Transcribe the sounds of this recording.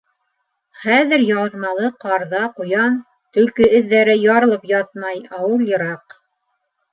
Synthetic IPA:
χæðɘɾjɑɤ̆ɾmɑlˠɤqɑɾðɑqujɑn | t̪ɵ̆lkɵɵ̆ðːæɾɘjɑɾɤ̆lˠɤpjɑt̪̚mɑjɑwɤlˠjɤ̆ɾɑq

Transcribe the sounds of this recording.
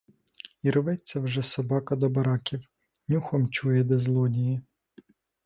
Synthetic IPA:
iɾɔʋɛt͡sʲːɐwʒɛsɔbɑkɐd̪ɔbɐɾɑkʲiw | nʲuxɔmt͡ʃujɛd̪ɛzlˠɔdʲiji

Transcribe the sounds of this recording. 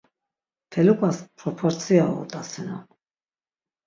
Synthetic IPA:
t̪ʰɛlukʼaspʰɾɔpʰɔɾt̪t͡s̪ʰiaṵt̪ʼasinɔ

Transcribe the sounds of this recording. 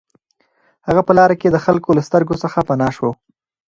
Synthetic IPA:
haɣapəlɑɾaked̪əxalkolast̪əɾɡosəxapanɑʃwo

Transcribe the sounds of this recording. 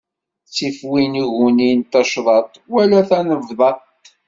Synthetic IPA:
t͡sːifwiniʝunint̪ɑʃðˤɑt̪ˤwælæθænəvðˤɑt̪

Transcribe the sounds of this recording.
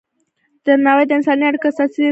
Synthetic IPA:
d̪̥əmawad̪əɪnsɑniaɽkasɑsi

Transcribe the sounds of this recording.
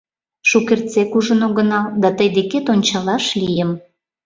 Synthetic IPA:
ʃukert͡sekuʒənoɣənɑld̪ɑt̪əjd̪eket̪onʲt͡ɕɑlɑʃlijəm

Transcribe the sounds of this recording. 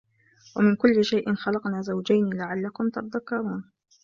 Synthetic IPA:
wamɪnkʊlːɪʃajʔɪnxɑlɑqnaːzawd͡ʒajnilaʕalːakʊmt̪ɑt̪ðakːɑɾˤuːn

